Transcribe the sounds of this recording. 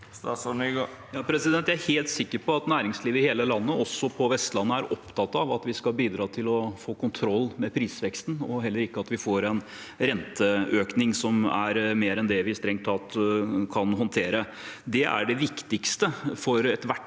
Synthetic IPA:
sɑsnyɡo | jɑːpʰɾɛsɪd̪ɛnjææɾheːlt̪sɪkːəɾpʰɔɑt̪næːɾɪŋsliːʋɪheːləlɑnːəʔɔsːɔpʰɔʋɛst̪lɑnːəæɾʔɔpt̪ʰɑt̪ːɑʋɑt̪ʋɪskɑbiːd̪ɾɑːt̪ʰɪlɔfoːkʊnt̪ʰɾɔlːmɛpʰɾiːsʋɛkst̪n̩ɔɦɛlːəɾɪkːəɑt̪ʋɪfoːɾɛn | ɾɛnt̪ʰəøːknɪŋsɔmæ̰ɾmeːɾɛnd̪ɛʋɪst̪ɾɛŋt̪ʰːɑːt̪kʰɑnɦɔnt̪ʰeːɾə | d̪ɛʔæ̰ɖɛʋɪkt̪ɪkst̪əfɔɾɛt̪ʋæʈ

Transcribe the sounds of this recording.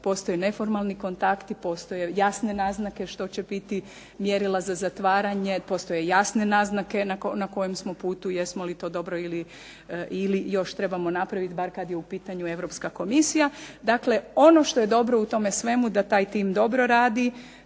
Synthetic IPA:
po̞st̪ojene̞fo̞ɾmalˠniko̞nt̪akt̪ipo̞ːst̪ojejasne̞naːznake̞ʃt̪o̞t͡ɕe̞bit̪i | mjeɾilˠazazat̪ʋaːɾaɲe̞po̞st̪o̞jejasnenaːznake̞nakonako̞jemsmo̞puːt̪ujesmolit̪o̞ːd̪o̞bɾo̞ili | ilijo̞ʃt̪ɾe̞bamo̞napɾaʋit̪baɾkad̪jeupiːt̪aɲue̞ʋɾo̞pskako̞misijad̪akle̞o̞no̞ʃt̪o̞je̞d̪o̞bɾo̞ut̪o̞mesʋe̞mud̪at̪aːjt̪iːmd̪o̞bɾo̞ɾaːd̪i

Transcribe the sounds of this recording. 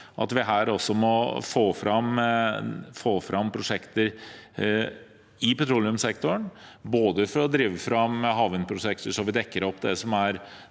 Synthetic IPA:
ʔɑ̰t̪ʋɪɦæːɾɔsːɔmɔfoːfɾɑm | foːfɾʔɑmːpʰɾʊʂɛkt̪əɾ | ɪpɛt̪ʰɾuːlɪʉmsɛkt̪ʊɳboːd̪əfɔɾɔd̪ɾiːʋəfɾɑmɦɑːʋənpʰɾʊʂɛkt̪əʂɔʋɪd̪ɛkːəɾɔpːd̪ɛsɔmæɾ

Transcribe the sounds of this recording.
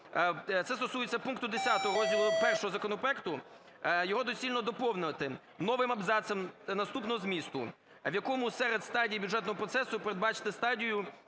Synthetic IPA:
t̪sɛst̪ɔsujet͡sʲːɐpunkt̪ʊd̪esʲat̪ɔɦɔɾɔzʲdʲilˠʊpɛrʃɔɦɔzɐkɔnɔpɾɔɛkt̪ʊ | jɔɦɔd̪ɔsʲilʲnɔd̪ɔpɔwnɪt̪ɪ | nɔʋɪmɐbzɑsɛmnɐst̪upnɔɦɔzmʲist̪ʊ̰ | ʋjɐkɔmʊsɛɾed̪st̪ɑdʲijibʲjudʐɛt̪nɔɦɔpɾɔt̪sɛsʊpeɾed̪bɑt͡ʃɪ̥t̪ɪst̪ɑdʲijʊ

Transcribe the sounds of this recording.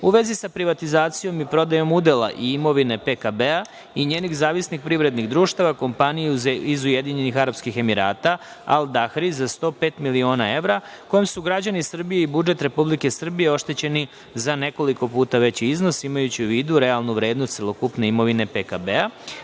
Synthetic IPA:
uʋe̞zisapɾiʋat̪izaːt̪sijo̞mipɾo̞d̪ajo̞mud̪ela̰ʔiimo̞ʋine̞pekabea | iɲeːniɣzaːʋisnixpɾiʋɾe̞d̪niɣd̪ɾuːʃt̪aʋako̞mpanijezizujed̪iɲe̞nixaɾapskixe̞miɾa̰ːt̪a | a̰ld̪axɾizast̪o̞ːpe̞ːt̪milio̞ːnae̞ʋɾa | ko̞jemsuɡɾad͡ʑanisr̩bije̞ibud͡ʒe̞t̪ɾe̞publike̞sr̩bijeo̞ʃt̪e̞t͡ɕe̞ni | zane̞ko̞liko̞puːt̪aʋe̞t͡ɕizno̞simajut͡ɕiuʋiːd̪uɾe̞alˠnuʋɾe̞ːd̪nost̪selo̞kupne̞imo̞ʋine̞pekabea

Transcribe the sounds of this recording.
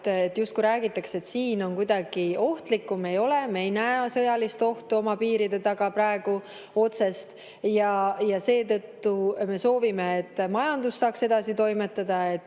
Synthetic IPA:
et̪ːˑjust̪̚kujɾæːɡ̥it̪ːˑɑkse̞t̪siːno̞nkujd̪ɑɡ̥io̞ht̪likːume̞jo̞le̞mejnæesɤ̞jɑlist̪o̞ht̪uo̞mɑpiːɾid̪̥e̞t̪ɑɡ̥ɑpɾɑeɡ̥u | o̞t̪se̞st̪ | jɑjɑse̞ːt̪ɤ̞t̪ːume̞so̞ːvimeːt̪ːˑmɑjɑnd̪̥usːɑːkse̞d̪̥ɑsit̪o̞jme̞t̪ːˑɑd̪̥ɑe̞t̪ː

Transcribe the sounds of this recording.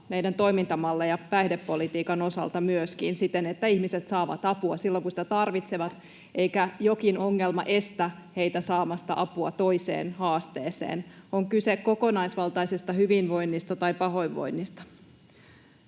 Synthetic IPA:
meidænt̪o̞jmint̪ɑmɑlːejɑpæhdepːolit̪iːkɑno̞sɑ̰lt̪ɑmyøskḭnsit̪enet̪ːæihmiset̪sɑːʋɑ̰t̪ɑpuɑsilːoŋkusĭ̥t̪æt̪ɑrʋit̪seʋɑt̪ | ʔeikæjokino̞ŋːelmɑ̰ʔe̞st̪æhe̞jt̪æsɑːmɑst̪ɑʔɑpuɑ̰t̪oisḛːnhɑːst̪eːsḛːnoŋkysekko̞ko̞nɑisʋɑlt̪ɑijsist̪ɑhyʋinʋo̞jnːist̪ɑt̪ɑipɑɦo̞iʋʋo̰jnːist̪ɑ̥

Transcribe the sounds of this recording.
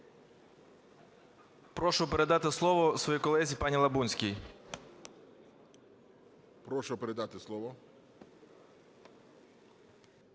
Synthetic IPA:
pɾɔʃʊpeɾed̪ɑt̪ɪslˠɔʋɔsʋɔjikɔlˠɛzʲipɑnʲilˠɐbunʲsʲkʲij | pɾɔʃʊpeɾed̪ɑt̪ɪslˠɔʋɔ

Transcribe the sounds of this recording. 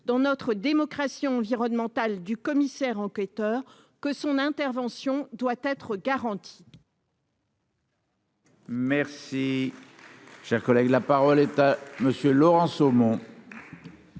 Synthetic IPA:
d̪̥ɑ̃nɔt̪χəd̪emɔkχasiɑ̃viʁɔnmɑ̃t̪ald̪ykɔmisɛʁɑ̃kɛt̪œːʁ | kəsɔ̃nɛ̃t̪ɛʁvɑ̃sjɔ̃d̪wat̪ɛt̪χəɡaʁɑ̃t̪ʰi̥ | mɛʁsi | ʃɛʁkɔlɛɡlapaʁɔlɛt̪aməsjølɔʁɑ̃somɔ̃

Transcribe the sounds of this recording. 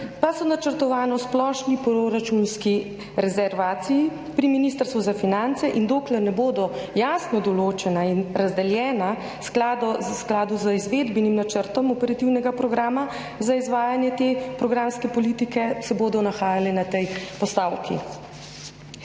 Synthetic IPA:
pasɔnat͡ʃəɾt̪ɔʋaːnɔsplɔːʃnipɾoɾat͡ʃunski | ɾɛzɛɾʋaːt̪siji | pɾiminiːst̪əɾst̪ʋuzafinant̪sɛʔind̪oːklɛɾnɛboːd̪ɔjaːsnɔd̪ɔloːt͡ʃɛnainɾazd̪ɛljɛːna | sklaːd̪ɔsklaːd̪uzəizʋeːd̪bɛnimnat͡ʃəɾt̪ɔmɔpɛɾat̪iwnɛɡapɾɔɡɾaːma | zaizʋaːjanjɛt̪eːpɾɔɡɾaːmskɛpɔlit̪ikɛsɛboːd̪ɔnaxaːjalɛnat̪ɛjpɔst̪aːwkʰḭ

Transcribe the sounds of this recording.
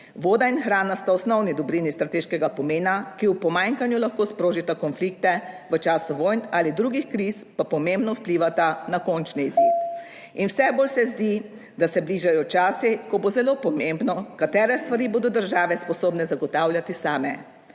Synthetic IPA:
ʋoːd̪ainxɾaːnast̪aɔsnɔwnid̪ɔbɾinist̪ɾat̪eːʃkɛɡapɔmeːnakiupɔmaːŋkanjulaxkoːspɾoːʒit̪akɔnflikt̪ɛʋət͡ʃaːsuʋojnalid̪ɾuːɡixkɾispapɔmembnɔwpliːʋat̪anakont͡ʃniːzip̪ | inwsɛboːlsɛzd̪i | d̪asɛbliːʒajɔt͡ʃaːsikɔbozɛloːpɔmembnɔkat̪ɛːɾɛst̪ʋaɾiboːd̪ɔd̪əɾʒaːʋɛspɔsoːbnɛzaɡɔt̪aːwlʲjat̪isaːmɛ

